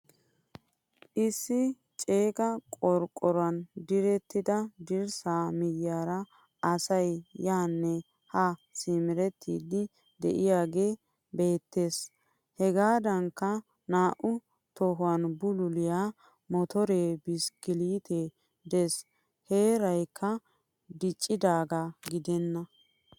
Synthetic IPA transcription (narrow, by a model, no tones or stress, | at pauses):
ʔɪsːɪ | t͡ʃʼe̞ːkʼɐkʼɔɾkʼːɔɾwɐnd̪ɪɾɛt̪ːɪd̪ɐd̪ɪɾsaːmɪjjaːɾɐ | ɐsɐjjaːnːɛ | hɐsɪmɪɾɛt̪ːḭːd̪ːɪ | d̪ɛ̰ʔɪjaːɡe̞ː | be̞ːt̪ːe̞ːs | hɛɡaːd̪ɐŋkːɐ | naːʔʊ | t̪ɔɦʊwanbʊlʊlɪjaː | mɔt̪ɔɾe̞ːbɪskɪliːt̪e | d̪eːs | he̞ːɾɐjkːɐ | d̪ɪt͡ʃʼːɪd̪aːɡaɡɪd̪ɛnːɐ